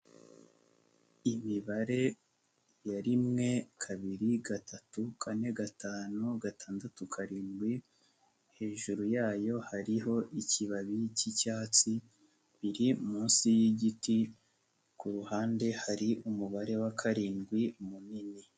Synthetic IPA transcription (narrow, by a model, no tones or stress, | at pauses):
imiβaɾe̞ | jaɾimŋe̞kʰaβiɾiɡatʰatukʰane̞ɡatʰaːnuɡatʰaːndatukʰaɾiːnɡwi | he̞ːʒuɾujaːjo̞haɾiɦo̞ʔiciβaβicicaːt͡si | βiɾimuːnsijiɟiti | kuɾuhaːnde̞haɾiʔumuβaɾe̞wakʰaɾiːnɡwimunini